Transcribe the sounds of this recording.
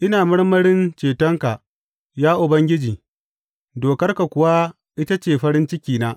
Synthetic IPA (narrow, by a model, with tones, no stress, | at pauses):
ʔɪ˦naː˨mɐ˦ɽmɐ˦ɽɪ˦nt͡ʃeː˨tɔ˦ŋka˨ | jaː˦ʔʊ˨bɐ˦ŋɡʲɪ˦d͡ʒiː˨ | doː˨kɐ˦rka˨kʷʊ˨wa˦ | ʔɪ˦ta˦t͡ʃeː˨ɸɐ˦ɽɪ˦nt͡ʃɪ˦kʲiː˨naː˦ʔ